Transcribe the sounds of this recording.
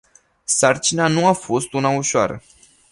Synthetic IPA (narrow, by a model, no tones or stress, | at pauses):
sart͡ʃinanuafo̞st̪unauʃoa̰ɾə̰